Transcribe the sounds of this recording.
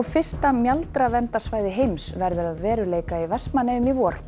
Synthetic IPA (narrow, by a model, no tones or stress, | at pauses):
fɪrst̪amjalt̪ɾavɛnt̪ḁsvaːjðɪɦejmsvɛɾðʏɾaðvɛːɾʏleːjkaivɛspmanɛʏmivɔːɾ̥